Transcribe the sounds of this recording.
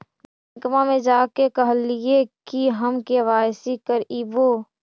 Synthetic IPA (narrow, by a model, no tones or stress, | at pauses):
mɐkmamẽd͡ʒaːkekəɦəliekiɦɐmkeʋaːjsikəɾibo